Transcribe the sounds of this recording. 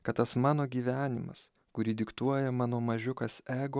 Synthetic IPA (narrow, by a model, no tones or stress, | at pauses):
kɐt̪t̪ɐsmɑːnoːɡʲiːʋʲæːnʲɪmɐ̰s | kʊɾʲiːd̪ʲɪkt̪uɔjɛmɑːnoːmɐʒʲʊkɐsæːɡoː